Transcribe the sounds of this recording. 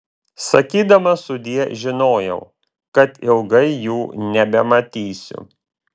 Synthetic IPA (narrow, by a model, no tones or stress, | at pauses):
sɐkʲiːd̪ɐmɐsʊd̪ʲiɛʒʲɪnoːjɛʊ | kɐt̪ɪlˠɡɐɪjuːnʲɛbʲɛmɐt̪ʲiːsʲʊ̰